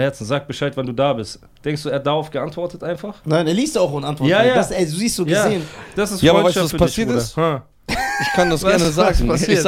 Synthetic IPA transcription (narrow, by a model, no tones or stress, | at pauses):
hɛɐt͡ssn̩zaːk̚b̥əʃaɪtvanduːdaːbɪst | d̥ɛŋkstd̥uːɛːhat̚d̥aʁaʊfɡ̥əʔantv̥ɔɐtətʔaɪnfaχnaɪneːɐliːstjaaʊxonəantvɔjaːjaːasɛzuziːstz̥oːɡjazːeːənd̥asɪstjaːaɐvaɪsavasfyɐpʰasiːɐtɪstha | ɪçkʰandasɡɛɐnəzaːɡpʰasiːɐ